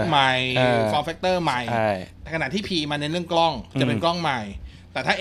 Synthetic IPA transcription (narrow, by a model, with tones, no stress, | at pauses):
ma˧jfɔː˧mfe˦˥k̚t̪ɤː˥˩ma˧jt̪ɛ˨˩kʰa˨˩t̪ʰiː˥˩pʰiː˧maː˧nːe˧nɾɯ˥˩əŋklɔ˥˩ŋt͡ɕa˨˧˩pe˧nklɔ˥˩ŋma˧j | t̪ɛː˨˩t̪ʰaː˥˩